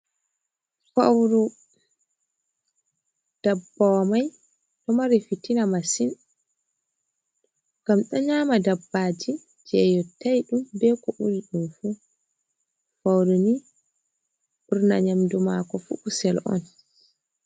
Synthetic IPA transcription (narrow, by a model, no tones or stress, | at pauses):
fa̰wɾu | d̥abːɔmaj | ɗɔmaɾifitinamasin | ɡ̥amɗɔɲaːmadabːad͡ʒi | d͡ʒɛjɔtajɗumbɛkɔʔuɾiɗumfu | fawɾuni | ɓuɾna̰ɲamdumakɔfṵʔusɛlʔɔ̰n